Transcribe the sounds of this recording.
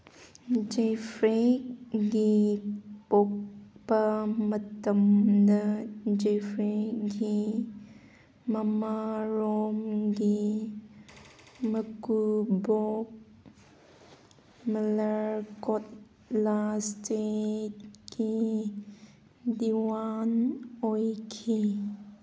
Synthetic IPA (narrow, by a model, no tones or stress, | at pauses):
d͡ʒefɾekɡi | pokpəmət̪əmd̪əd͡ʒefɾeɡi | məmaɾomɡi | məkubok̚ | mələɹkɔt̚ | lastet̚ki | d̪iwanojkʰi